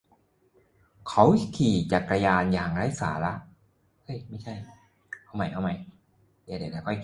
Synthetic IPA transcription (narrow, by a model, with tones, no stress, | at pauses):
kʰa˦˥wkʰiː˨˩t͡ɕa˨˩kɾa˧jaː˧njaː˨˩ŋɾaː˦˥jsa̰ː˩˦la˦˥ʔ | ʔɤ˧˥˩jma˥˩jt͡ɕʰa˥˩j | ʔa˧˩wma˧˦˥jʔa˧˩wma˦˥j | a˧˩da˨˦˩laː˨˦˥kʰɔ˥˩j